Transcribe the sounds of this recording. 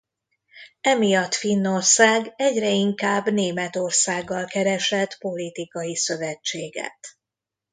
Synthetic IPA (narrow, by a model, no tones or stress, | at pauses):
ɛmijɒt̪finːo̞rsaːɡɛɟrɛiŋkaːbneːmɛt̪o̞rsaːɡːɒlkɛɾɛʃɛt̪po̞lit̪ikɒjisø̞vɛt͡ʃːeːɡɛ̰t̪